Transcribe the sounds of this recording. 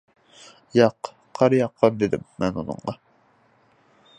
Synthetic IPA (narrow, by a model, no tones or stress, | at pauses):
jɑq | qʰɑɾjɑqʰːɑd̪ed̪ɪmːɛnunɨ̰ɴʁɑ